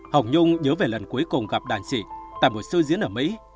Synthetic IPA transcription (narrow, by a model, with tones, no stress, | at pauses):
hə˨˩wŋ͡mɲʊ˧ŋ͡mɲəː˨˦ve˨˩lə˨˩nku˨˦jkʊ˨˩ŋ͡mɣa˨˩p̚ɗaː˧˩nsḭ˧˩t̪a̰ː˧˨jmo˨˩t̚sɨ˧zi˨˦ənʔəː˧˩mḭ˧˥